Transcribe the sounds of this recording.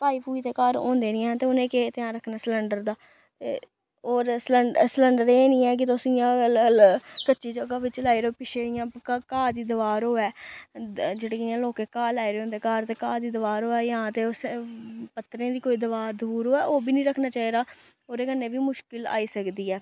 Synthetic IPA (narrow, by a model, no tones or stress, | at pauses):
paːiːpuːiːt̪eːkaːɾõ̰ːnd̪eːnɪjãːt̪eːʊnẽːkeːt̪ɪjãːɾəkʰnaːsləɳɖəɾd̪aː | t̪ḛː | oːɾsləɳsləɳɖəɾeːnĩːɛːk̬ɪt̪ʊsɪjãː | kəːt͡ʃiːd͡ʒoːɡãːʋɪt͡ʃlaːiːɾopɪʃʰeːɪjãːkaːd̪iːd̪əʋaːɾɦoːɛː | d͡ʒeːɽeːkɪjãːloːkeːkaːlaːiɾeõːnd̪eːkaːɾt̪eːkaːd̪iːd̪əʋaːɾɦoːɛːjãːt̪eːospət̪ːɾẽːd̪iːkoːiːd̪əʋaːd̪uːɾoːɛːʔoːbiːnĩːɾəkʰnaːt͡ʃaːiːd̪aːoːɾeːkənːeːbiːmʊʃkɪla̰ːiːsəkd̪iːɛː